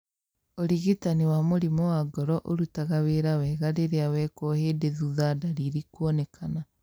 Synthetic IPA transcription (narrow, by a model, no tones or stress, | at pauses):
oɾiɣitaniwamoɾimɔwaɡɔɾɔʔoɾutaɣaweɾawɛɣaɾeɾeawɛkɔhedeðuðadaɾiɾikuɔnɛkʰana